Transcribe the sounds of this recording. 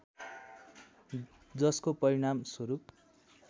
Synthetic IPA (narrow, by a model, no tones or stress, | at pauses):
d͡zʌskopʌɾiɽ̃amswʌɾup̚